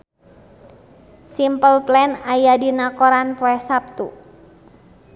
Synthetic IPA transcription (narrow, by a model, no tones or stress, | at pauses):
simpəlplɛnajadinakɔɾanpɔɛsap̚t̪u